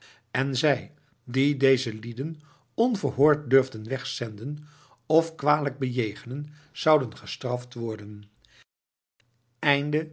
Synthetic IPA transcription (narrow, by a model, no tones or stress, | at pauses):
ɛnzɛj | didejzəlidən | ɔnvəɹɦʊːɹt̚døɹvdənʋɛχsɛndən | ɔfkʋaːdələɡ̚bəjejχənən | z̥ɑwdənχəstrɑftʋɔɹdən | ɛjndə